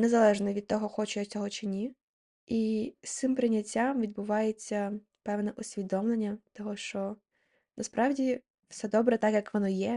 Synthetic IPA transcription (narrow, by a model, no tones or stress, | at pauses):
nezɐlˠɛʒnɔʋʲid̪̚t̪ɔɦɔxɔt͡ʃʊjɐt͡sʲɔɦɔt͡ʃɪnʲi | ist̪sɪmpɾɪnʲːɐtʲːamʋʲid̪̚bʊʋɑjet͡sʲːɐ | pɛʋnɛʔʊsʲʋʲid̪ɔmlˠenʲːɐt̪ɔɦɔʃt͡ʃɔ | nɐspɾɑʋdʲi | fsɛd̪ɔbɾɛt̪ɑkjɐkʋɔnɔjɛ